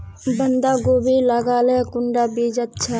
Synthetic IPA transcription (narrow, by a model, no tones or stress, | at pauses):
bənd̪aːɡoːbilaɡaːlekʊɳɖaːbiːd͡ʒɐt̪t͡ʃʰa